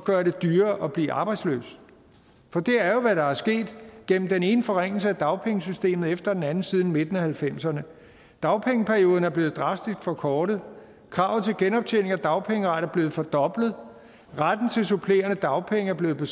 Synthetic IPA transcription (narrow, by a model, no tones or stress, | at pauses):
ɒɡ̥ɶːɐɾe̝d̥yːɐʔɒ̽b̥liːʔɑ̈ːb̥ɑ̈ɪd̥slø̰ːs | fɒ̽d̥e̝æɐjo̝ʋæɾɑ̈æɐsɡ̥e̝̰ːd̥ɡ̥en̰m̩d̥ene̝ːnəfɒ̽ʁeŋ̰l̩səæd̥ɑ̈ʊpʰeŋəsysd̥e̝̰ːmð̩ˠefd̥ɐd̥enænn̩siːð̞ˠn̩me̝d̥ən̩æhælfem̰sɐnə | d̥ɑ̈ʊpʰeŋəpʰæɐijo̝ːð̞ˠn̩æɐb̥le̝ːð̩ˠd̥ʁɑ̈sd̥isɡ̥fɒ̽kʰɒːɾ̥əð̩ˠ | kʰʁɑ̈ʊt͡sʰe̝lɡ̥enɒ̽b̥̚t͡sʰen̰e̝ŋæd̥ɑ̈ʊpʰeŋəʁɑɾ̥ɐæɐb̥le̝ːð̩ˠfɒ̽d̥ɒ̽b̥lð̩ˠ | ʁad̥n̩t͡sʰe̝lsupʰle̝̰ːɐnəd̥ɑ̈ʊpʰeŋæɐble̝ːð̩ˠb̥e̝